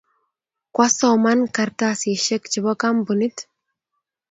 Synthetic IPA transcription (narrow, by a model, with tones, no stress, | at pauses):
kwa˦sɔ˨manka˨ɾtasi˨ʃɛ˦kt͡ʃi˨bɔ˦ka˦mbuni˦t